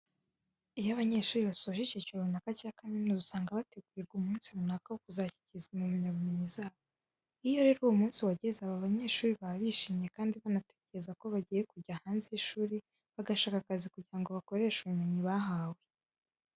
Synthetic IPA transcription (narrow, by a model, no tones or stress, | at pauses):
ijaβaɲe̞ːʃuːɾiβasoʒicicounakacaːkaminuzusaːŋɡaβate̞ɡuɾiɾɡumuːnsimunakawokuzaci̥cizɡumumiɲaβumeɲizaːβo | ijo̞ɾe̞ːɾuwomuːnsiwaɟezaβoβaɲe̞ʃuːɾiβaβiːʃimɲe̞kaːndiβanate̞ːceɾe̞zako̞βaɟijekuɾɟahaːnzeiʃuːɾi | βaɡaʃaːkakazikuɟiɾaŋɡo̞βako̞ɾe̞ːʃuβumiɲiβaɦawe